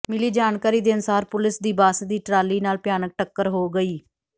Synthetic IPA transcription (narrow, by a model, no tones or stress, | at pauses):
mɪliːd͡ʒaːnkaːɾiːd̪eːənʊsaːɾpʊlɪsd̪iːbaːsd̪iːʈɾaːliːnaːlpjaːnək̚ʈəkːəɾɦoːɡəiː